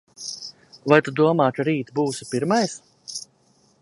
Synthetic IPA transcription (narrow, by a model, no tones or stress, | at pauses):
vajt̪ud̪uɔmaːt͡ʃɾiːt̪buːsipiɾmajs